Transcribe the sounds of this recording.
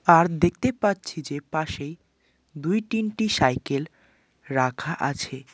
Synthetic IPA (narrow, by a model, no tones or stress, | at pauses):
aɾd̪ek̚ʰt̪epatːt͡ɕʰid͡ʑepaʃej | d̪ujʈinʈiʃajkel | ɾakʰaʔa̰t͡ɕʰe